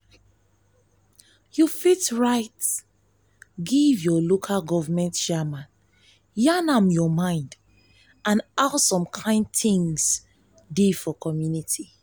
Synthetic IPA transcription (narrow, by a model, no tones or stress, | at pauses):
jufitɹaɪt | ɡivjɔlokʰalɡɔvamɛ̃ntʃɛmãn | janamjɔmãɪ̃nd | ãnaʊsɔ̃mkʰãɪ̃nd̚θĩŋs | defɔkʰɔmjunitʰi